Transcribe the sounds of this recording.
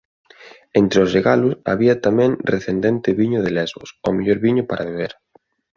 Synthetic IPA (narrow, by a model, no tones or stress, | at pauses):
ent̪ɾeozreɣalʊsa̰βiɐt̪amɛ̃ŋreθend̪ent̪ɪβiɲʊðelɛzβo̰someʎoɾβiɲʊpaɾʔaβeβ̞eɾ